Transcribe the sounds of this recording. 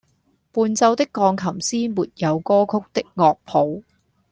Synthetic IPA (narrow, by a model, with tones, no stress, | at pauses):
puː˧nt͡sɐ˧wt̪ɪ˥kːɔː˧ŋkʰɐ˨˩msiː˥muː˨t̚jɐ˨˧wkɔː˥kʰʊ˥k̚t̪ɪ˥k̚ŋɔː˧k̚pʰo˨˧w